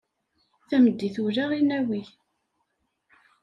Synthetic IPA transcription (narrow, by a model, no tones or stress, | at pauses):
θæməd̪ːiθuɾaʁinæwiʝ